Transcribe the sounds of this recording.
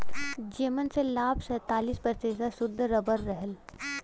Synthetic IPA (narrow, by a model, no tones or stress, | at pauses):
d͡ʒeːmənselaːbsəːt̪aːliːspəɾt̪eːsasʊd̪ʱːɾəbəɾːəɦəl